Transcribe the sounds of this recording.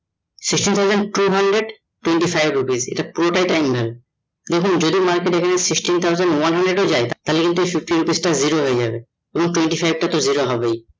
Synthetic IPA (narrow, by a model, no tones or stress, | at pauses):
siksʈint̪ʰawzenɖʈuɦaɳɖɾeɖ | ʈːuweɳʈifajbɾupizḛʈapuɾoʈajʈajmbʱabe | d̪ekʰund͡ʑod̪imaɾkeʈekʰanesiksʈint̪ʰawzenɖwanɦaɳɖɾeɖod͡ʑaet̪t̪alekint̪̬uejfifʈiɾupisʈaziɾoɦoed͡ʑabe | eboŋʈweɳʈifajb̚ʈat̪oziɾoɦɔbej